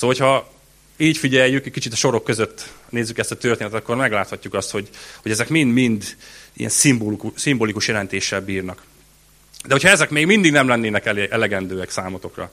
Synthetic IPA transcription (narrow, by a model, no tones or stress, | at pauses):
soːhocʰhɒ | iːcfiɟɛjːykɛcʲkit͡ʃit̪ɒʃo̞ɾo̞kːø̞zøt̪ːneːzːykɛst̪ɒt̪ørt̪eːnt̪t̪ɒ̥kːo̞rmɛɡlaːt̪hɒcːukɒst̪ho̞ɟho̞ɟɛzɛkmind̪mind̪ḭjɛ̰nsimbolkusimbolikuʃjɛlɛnt̪eːʃːɛlbiːrnɒk | d̪ɛho̞cʰhɒɛzɛkmeːɡmind̪iɡnɛmlɛnːeːnɛkɛʔɛlɛɡɛnd̪øːɛksaːmot̪o̞krɒ̰